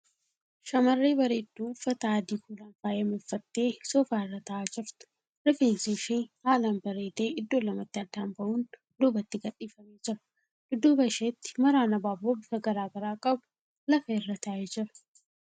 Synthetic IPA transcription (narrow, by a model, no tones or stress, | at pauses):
ʃɐmɐrːeːbɐɾeːd̪ːuːfːɐt̪aːd̪iːkuːlɐnfaːjɐmɪfːɐt̪ːe̞ːsɔfaːɪrːɐt̪ɐʔaːd͡ʒɪɾt̪ʊ̥ | ɾɪfeːnsiʃeːhaːlambɐɾeːt̪e̞ːɪd̪ːoːlɐmɐt̪ːɪɐd̪ːaːmbɐʔuːn | d̪uːbɐt̪ːɪɡɐɗʼːiːfɐmeːd͡ʒɪɾɐ̥ | d̪ʊd̪uːbɐʃeːt̪ːɪ̥mɐɾaːnɐbaːboːbɪkɐɡɐɾaːɡɐɾaːkʼɐbʊ̥ | lɐfɐɪrːɐt̪ɐʔeːd͡ʒɪɾɐ̥